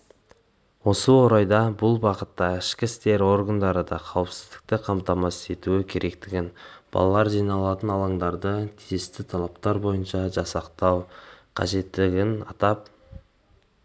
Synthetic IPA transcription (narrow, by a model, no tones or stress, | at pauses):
wo̞səwo̞ɾɑjd̪ɑbʊlˠbɑqət̪ːɑɪʃkʲɪst̪e̞ɾo̞rɡand̪ɑɾəd̪ɑqʰɑwəpsɪzd̪ɪ̥k̚t̪ɪqʰɑmt̪ɑmɑse̞t̪uɪkʲʰe̞ɾʔe̞kt̪ɪɡʲɪnb̥ɑ̰lˠɑlˠɑɾʒijnɑlˠɑt̪ənɑlˠɑɴd̪ɑɾd̪ət̪ʰiest̪ɪt̪ʰɑlˠɑpt̪ɑɾbo̞jənʃɑʒɑsɑqt̪ɑwqʰɑ̰ʒe̞t̪ːɪɡʲɪnɑt̪ɑp